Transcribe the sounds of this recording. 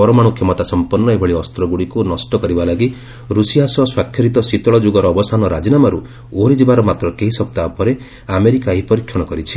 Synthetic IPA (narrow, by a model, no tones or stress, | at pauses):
ɔɾɔmaɽ̃ukʰjemɔt̪asɔmpɔnːɔebʱɔɭiɔst̪ɾɔɡuɽikunɔsʈɔkɔɾibalaɡi | ɾusiɦasɔswakʰjɔɾit̪ɔsit̪ɔɭɔd͡ʒuɡɔɾɔːbɔsanɔɾad͡ʒinamaɾu | oɾid͡ʒibaɾɔmat̪ɾɔkeɦisɔk̚t̪aɔpɔɾe | ameɾikaɦipɔɾikʰːjɔɽ̃ɔkɔɾit͡ʃʰi̥